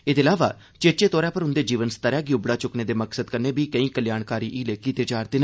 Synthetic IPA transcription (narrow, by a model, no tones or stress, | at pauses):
eːd̪eːɪlaːʋaː | t͡ʃeːt͡ʃeːt̪ɔːɾɛːpəɾʊnd̪eːd͡ʒiːʋənst̪əɾɛːɡjuːbɽaːt͡ʃʊkneːd̪eːməksəd̪kəɾneːbiːkəĩːkəljaːɳkaːɾiːʔiːleːkiːt̪eːt͡ʃaːɾt̪enː